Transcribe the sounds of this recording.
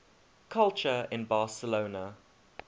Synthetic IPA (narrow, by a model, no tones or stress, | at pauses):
kʰalt͡ʃəɪ̃nbɑːˑsəloːnə